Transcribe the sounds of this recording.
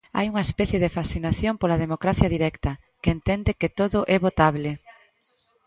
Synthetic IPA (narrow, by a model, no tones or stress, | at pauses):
a̰juŋɐespɛθjeðefasθinaθjompolɐðemokɾaθjɐðiɾɛkt̪ɐ | keent̪ɛnd̪ɪket̪oðʊʔɛβot̪aβ̞le